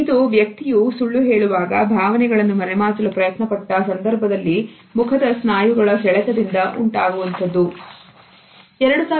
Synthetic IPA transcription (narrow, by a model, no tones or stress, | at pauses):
d̪uʋjɐk̚t̪ijusuɭːuɦe̞ːɭuʋaːɡɐbʱaːʋɐnɛɡɐɭɐnːumɐɾɛmaːsɐlupɾɐjɐt̪nɐpɐʈːɐsɐnd̪ɐɾbʱɐd̪ɐlːi | mukʰɐd̪ɐsnaːjuɡɐɭɐɦɛɭɛt̪ɐd̪ind̪ɐʔuɳʈaːɡuʋɐnt̪ɐd̪ːu | ɛɾɐɽusaː